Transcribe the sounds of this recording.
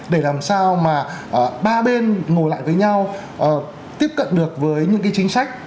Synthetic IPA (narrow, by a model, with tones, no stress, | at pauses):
ɗe˧˩laː˨˩msaː˧wmaː˨˩ʔɓaː˧ɓe˧nŋo˨˩la̰ː˧˨jvəː˨˦jɲa˧w | ʔəː˨˩ | t̪i˦˥əp̚kə̰˧˨nɗɨ˨˩ək̚vəː˨˦jɲɨ̰˧˥ŋkaː˨˦jt͡ɕï˨˦ŋ̟sa˦˥jk̟̚